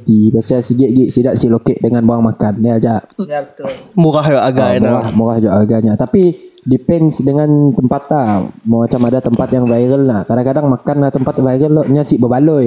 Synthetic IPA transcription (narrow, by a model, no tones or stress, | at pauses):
t̪ibasasiɡɛʔ̪̚ɡiʔsidaʔsihlokeʔ̚dəŋanboaŋmakanːiad͡ʒaʔ | muɾahd͡ʒoʔaɡamɾahmuɾahd͡ʒɔʔaɡaɲat̪apidipɛnsdəŋãnt̪əmpat̪̚lahmamat͡ʃamadat̪əmpat̪jaŋvajɾəlnahkadaŋkadaŋmakanaht̪əmpat̪̚vajɾəlːɔʔɲasihbəbalɔ